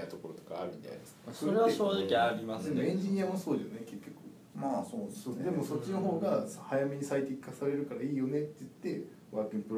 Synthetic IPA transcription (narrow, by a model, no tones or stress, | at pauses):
at̪o̞ko̞ɾot̪okaːɾɯ̟mʲit̪a̰ijd̪esasooɾeaɕoːʑikʲiaɾʲimasd̪e̞moẽ̞ɲ̟d͡ʑiɲ̟ijamoso̞ːd̪esoneke̞kʲːo̞kɯ̟ | maːsoːnsoːd̪e̞moso̞t͡ɕːino̞ɦo̞ːɡahajame̞ɲ̟isait̪eikːasaɾe̞ɾɯ̟kaɾaiːjo̞ne̞t̪ːe̞ɯt̪ːe̞ | βaːkĩmpɯ̟ɾ